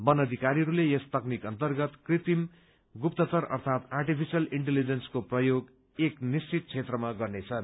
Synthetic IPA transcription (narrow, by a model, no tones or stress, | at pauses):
bʌnʌd̪ʱikaɾiʌɾulejest̪ʌknikʌnt̪ʌrɡʌt̪krit̪im | ɡupt̪ʌt͡sʌrʌ̰rt̪ʰat̪arʈipʰisʌliɳʈelid͡zenskoprʌjoɡ | eknist͡sit̪̚t͡sʰet̪rʌmaɡʌrnet͡sʰʌn